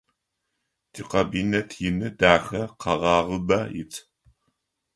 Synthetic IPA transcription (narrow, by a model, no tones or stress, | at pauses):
d̥ʰiːqɐbiːnɐtʰjɪnɨdaːxɐqʰɑʁɑːʁəbɐjɪ̰t͡sʰʼ